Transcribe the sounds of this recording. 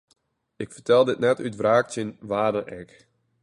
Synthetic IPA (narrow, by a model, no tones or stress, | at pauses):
ɪkfərtɛlˠdɪtnɛtytvraːktənʋaːdənʔɛk